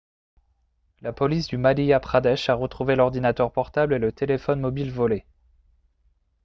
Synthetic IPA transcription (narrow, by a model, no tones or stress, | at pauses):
lapɔlis̬d̪ymaliapχad̪ɛʃaʁət̪χuvelɔʁd̪inat̪œʁpɔʁt̪ablelət̪elefɔnmɔbilvɔle